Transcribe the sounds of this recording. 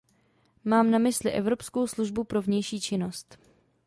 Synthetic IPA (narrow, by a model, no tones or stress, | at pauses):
maːmnamɪslɪʔɛ̰vɾo̞psko̞wsluʒbupɾo̞vɲɛjʃiːt͡ʃɪno̞st̪